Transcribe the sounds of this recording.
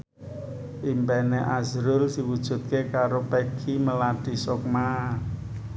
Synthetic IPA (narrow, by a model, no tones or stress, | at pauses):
ʔimpɛneʔazɾʊlsiwud̥ʒ̥ṳt̪̚kekaɾopekʰiməlaɖ̥i̤sok̚ma